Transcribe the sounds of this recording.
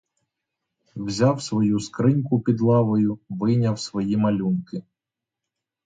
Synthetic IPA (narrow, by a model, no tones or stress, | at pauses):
wzʲawsʋɔjuskɾɪnʲkʊpʲid̪lˠɑʋɔjʊʋɪnʲɐwsʋɔjimɐlʲunkɪ